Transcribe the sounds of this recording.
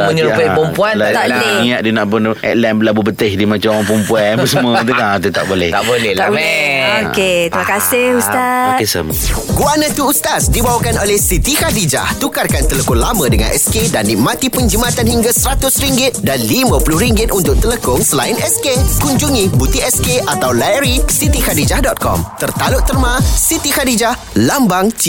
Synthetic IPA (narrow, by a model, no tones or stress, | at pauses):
məɲəɾupapɔmpuanlat̪aʔleiaʔ̚dinaʔpʊnɛ̰t̪̚lɛmblabupət̪ɪhdimãt͡ʃamoaŋpumpuaəsəmət̪̬ukat̪ət̪a̰ʔbolɛ̰ht̪a̰ʔbolɛabeoket̪imãkasɪhust̪akesə̰mɡuanə̃t̪uust̪asdibawakanolɛhsit̪ikadid͡ʒa̰ht̪ukarkant̪ələkɔnlamə̃dəŋã̰nʔɛskedanːĩʔ̚mãt̪ipəɲd͡ʒəmat̪anhiŋɡasəɾat̪ʊsɾiŋɡɪt̪̚danlimãpulʊhɾiŋɡɪt̪unt̪ʊk̚t̪ələkʊŋsəlaɪnɛskekuɲd͡ʒuŋĩbut̪iɛskeʔat̪awlaɾisit̪ikadid͡ʒahdɔt̪̚kɔ̰mt̪ərt̪alʊʔt̪ərmãsit̪ihadid͡ʒah | lambaŋt͡ʃi